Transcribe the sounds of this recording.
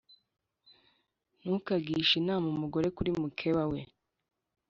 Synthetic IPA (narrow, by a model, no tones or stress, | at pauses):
nuːkaɡiːʃinaːmumuɡo̞ɾe̞kuɾimukʰewawe